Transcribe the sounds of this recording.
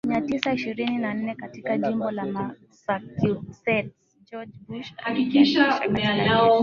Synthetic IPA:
miatisaiʃiɾininan̩nɛkatikaʄimbɔlama | sakisɛt | d͡ʒɔd͡ʒbuʃakikiʃaamɛanaaɔ

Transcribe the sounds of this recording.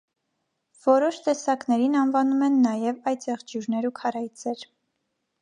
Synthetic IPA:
v̥ɔɾɔʃt̪ɛsɑknɛɾinɑnvɑnumɛnːɑjɛvɑjt͡sɛʁd͡ʒjuɾnɛɾukʰɑɾɑjt͡sʰɛɾ

